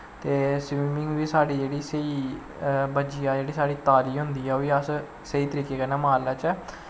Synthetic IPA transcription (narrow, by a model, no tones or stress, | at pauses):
t̪eːsʋimɪŋɡʋiːsaːɽiːd͡ʒeːɽiːsəiː | bəd͡ʒijãːd͡ʒeːɽiːsaːɽiːt̪aːɾiːɦʊnd̪iːɛːoːiːəs | səiːt̪əɾiːkeːkənɛːmaːlaːt͡ʃɛː